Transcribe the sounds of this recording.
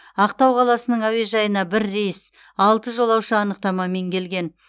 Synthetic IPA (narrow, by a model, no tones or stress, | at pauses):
ɑq̚t̪ɑwqʰɑlˠɑsənəɴæwe̞ʒɑjənɑbɪɾːejs | ɑlˠt̪əʒo̞lˠɑwʃəɑnəq̚t̪ɑmɑme̞ŋkʲʰe̞lɡʲe̞n